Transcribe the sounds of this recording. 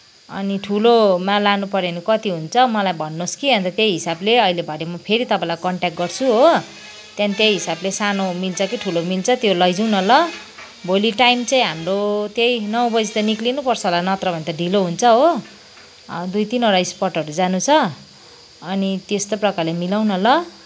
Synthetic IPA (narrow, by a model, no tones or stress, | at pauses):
ʌ̰niʈʰulomalanupʌɾenukʌt̪iɦunt͡sʰʌmʌlajbʱʌnːoskiɦʌ̃nt̪at̪ejɦisableʌɦilebʱʌɽemʌpʰeɾit̪ʌpãĩlajkʌɳʈak̚ɡʌrt͡sʰuɦo | t̪jãnit̪jejɦisablesanomilt͡sʰʌkiʈʰulomilt͡sʰʌt̪jolʌjd͡zuw̃nʌlʌ | bʱoliʈajmt͡sʌ̃ĩɦamrot̪jejnʌwbʌd͡zit̪aniklinupʌrt͡sʰʌɦlanʌt̪rʌbʱʌnet̪ʌɖʱiloɦunt͡sʰʌɦo | d̪ujt̪inɦoɾaispʌrʈʌɾud͡zanut͡sʰʌ | ʌnit̪est̪oprʌkalemilaw̃nʌlʌ